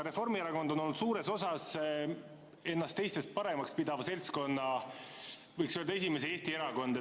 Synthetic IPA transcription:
ɾe̞fo̞rmieɾɑko̞nd̪o̞no̞lːut̪suːɾe̞so̞sɑs | e̞nːɑst̪ːe̞jst̪e̞st̪̚pɑɾe̞mɑkspid̪̥ɑvɑse̞lʲt̪sko̞nːɑ | vɯjksøld̪ɑe̞s̬ʲimeseeːsʲt̪ie̞ɾɑko̞nd̪̥

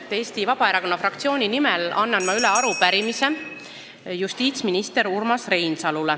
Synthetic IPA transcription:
e̞ːst̪ivɑb̥ɑeɾɑko̞nːɑfrɑkt̪sio̞ːnʲinimɛlɑ̰nːɑnmɑylɛɑɾupæɾimise̞ | just̪iːt̪sminist̪e̞ɾurmɑsre̞jnsɑlule

